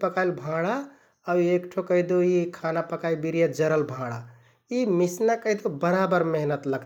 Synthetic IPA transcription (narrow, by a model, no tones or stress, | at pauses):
pəkajlbʱãɽa | awekʈʰokəɪd̪oikʰanapəkaibiɾijad͡ʒəɾəlbʱãɽa | imisnakəɪd̪obəɾabəɾmeɦnət̪ləɡ̪